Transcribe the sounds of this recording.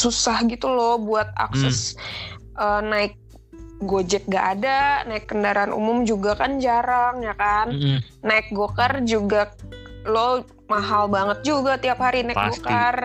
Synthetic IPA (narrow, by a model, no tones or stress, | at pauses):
susahɡit̪ulɔbuat̪̚a̰ksɛs | ʔəːnaɪk̚ | ɡod͡ʒɛk̚ɡaʔːdanaɪkːəndaɾaːnʔṵmʊmd͡ʒuɡakand͡ʒaɾaŋjakanː | aɪk̚ɡokərd͡ʒuɡalo | maɦalbaŋət̪̚d͡ʒuɡat̪iaphaɾinaɪɡokər